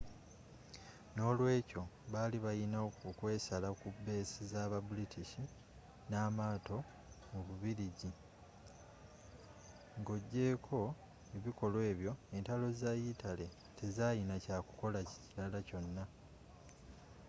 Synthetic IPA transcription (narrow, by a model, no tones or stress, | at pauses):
no̞ːlwe̞ːco̞βaliβajinaokwe̞ːsalakube̞ːsizaːβabulitʰiʃi | naːmaːto̞ | muβuβiɾiɟi | ŋɡo̞ɟːe̞ːkʰo̞ | eβiko̞lwe̞ːβjo̞e̞ntalo̞zajitale̞ | tʰe̞zaːjinacaːku̥ko̞lacciɾalaco̞nːa